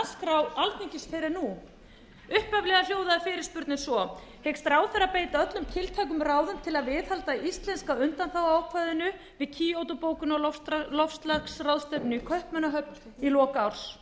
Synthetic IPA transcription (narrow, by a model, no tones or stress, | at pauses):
skɾawalt̪niɲcɪsfɛɾɪɾnu | ʏhpavlɛɣal̥joːwðaɪfɪːɾɪɾspʏɾt̪nɪsvɔhejkst̪ɾaːwθɛɾːapeːjt̪aœt̪lʏmt̪ʰɪlt̪ʰaːk̬ʏmraːwðʏmt̪ʰɪlaðvɪðhalt̪aist̪lɛnskaʏnt̪anθawaːwkʰvajðʏnʏ | vɪðcʰiːowt̪ʊpoːwkʏnɔlɔfst̪laksraðst̪œpnʏikʰœhpmɛnːaɦœp̚n | ilɔːkaawr̥s